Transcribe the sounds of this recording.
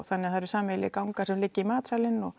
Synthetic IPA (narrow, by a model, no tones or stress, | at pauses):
θanːɪaθaɾsaːmɪlɪ̰kawŋkaɾsɛmlɪcːɪimaːt̪salɪnːɔ